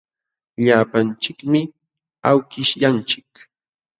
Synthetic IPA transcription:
ʎaːpant͡ʃɪkmɪ | awkɪʃjant͡ʃɪk

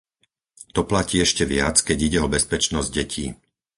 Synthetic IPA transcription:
t̪ɔplaciːɛʃcɛʋɪa̰t͡skɛɟiɟɛɔbɛspɛt͡ʃnɔzɟ̚ɟɛcʰḭː

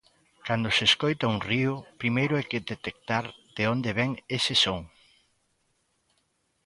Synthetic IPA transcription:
kand̪ʊseːskojt̪ɐuŋriʊpɾimejɾʊɛjkɪðet̪ek̚t̪aɾðeond̪eβɛŋesɪsoŋ

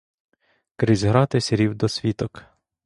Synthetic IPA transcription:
kɾɪzʲɦɾɑt̪ɪsʲeɾʲiwd̪ɔsʲʋʲit̪ɔk

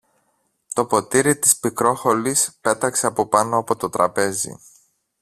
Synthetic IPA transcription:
t̪o̞po̞t̪iɾit̪i̥spikɾo̞xo̞lispe̞t̪ɐkse̞ɐpo̞pɐno̞ɐpo̞t̪o̞t̪ɾɐpe̞zḭ

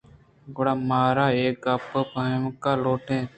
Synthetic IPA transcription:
ɡʊɽaːmaːɾaːeːkapəpəmkaːloːʈẽː

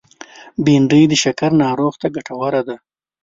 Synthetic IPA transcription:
biɳɖəjd̪əʃakaɾnɑːɾoɣt̪aɡaʈawaɾad̪a

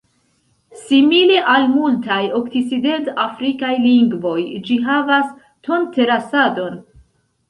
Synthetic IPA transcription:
simile̞ʔalmultajo̞ktit͡side̞ntafɾikajliŋɡvo̞jd͡ʒiɦavas | to̞ntʰe̞ɾasado̞n

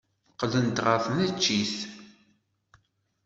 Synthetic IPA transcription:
qːlənt̪ʁəfnæt͡ʃːiθ

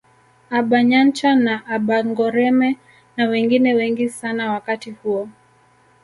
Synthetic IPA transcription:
aɓaɲant͡ʃanaʔaɓaŋɡɔɾɛmɛ | nawɛŋɡinɛwɛŋɡisanawakatihuɔ

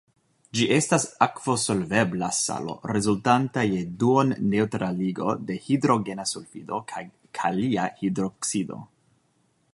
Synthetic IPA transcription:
d͡ʒiʔe̞stasakv̥o̞so̞lve̞blasa̰lo̰ɾe̞zultantaje̞duonːe̞utɾaliɡo̞de̞hidɾo̞ɡe̞nasulfido̞ | kʰaliahidɾoksido̞̰

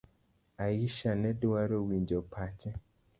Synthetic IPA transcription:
ajiʃanɛ̃duwaɾowiɲd͡ʒɔpʰat͡ʃɛ̃

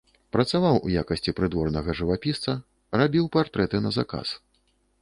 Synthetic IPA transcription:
pɾɐt̪savawṵjakɐsʲt͡sʲipɾɨd̪vɔrnɐɣɐʐɨvapʲist̪sɐ | rabʲiwpart̪ɾɛt̪ɨnɐzaka̰s

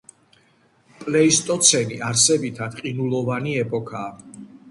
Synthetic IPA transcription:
pʼlɛist̪ʼɔt̪sʰɛniʔaɾsɛbit̪ʰad̪̥qʼinulˠɔvaniɛpʼɔkʰaː

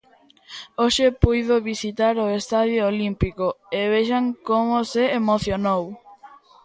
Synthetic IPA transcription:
oʃepujð̞oβisit̪aɾoest̪aðjoolimpikoeβeʃaŋkomoseːmoθjonow

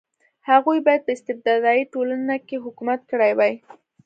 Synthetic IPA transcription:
haɣujbɑjad̪̚pəɪst̪ɪb̚d̪ɑd̪ɑjiʈolanakeɦʊkumat̪̚kəɽajwaj

